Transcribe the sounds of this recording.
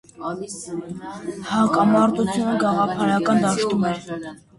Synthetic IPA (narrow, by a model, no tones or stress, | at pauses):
hɑkɑmɑɾt̪ut͡sʰjunəɡɑʁɑpʰɑɾɑkɑnd̪ɑʃt̪umɛɾ